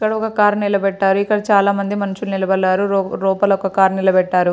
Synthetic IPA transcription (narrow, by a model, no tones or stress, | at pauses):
kːɐɽɐɔkɐkaːɾnilɐbɛʈːaːɾuikːɐɽɐt͡ʃaːlaːmɐnd̪imɐnuʂulunilɐbɐɭːaːɾuɾɔːpɐlɐɔkɐkaːɾnilɐbɛʈːaːɾu